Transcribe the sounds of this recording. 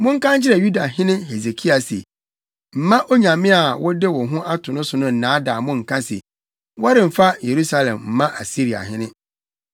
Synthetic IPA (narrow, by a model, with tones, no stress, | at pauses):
mʊ̃˦ŋ̩˦kã˦n˦d͡ʑɪ˦ɾɛ˨ju˦da˨ɦɪ̃˦nɪ̃˦ɦe˨ze˨kʰi˦a˨sḛ˨ | m̩˨mã˦ʔo˦ɲã˨mɪ̃˦a˨wɔ˦dɪ˦wɔ˨ɦʊ̃˦ʔa˦tʰʊ˨nʊ̃˦sʊ˨nʊ̃˦n̩˨nãː˨˦daː˨mʊ̃˦ŋ̩˨kʰã˦sḛ˨ | wɔ˦ɾɪ̃˨m̩˨fa˦je˨ɾu˦sa˦lɛ̰̃˨mm̩˨mã˦ʔa˨si˦ɾi˨a̰˨ɦɪ̃˦nɪ̃˦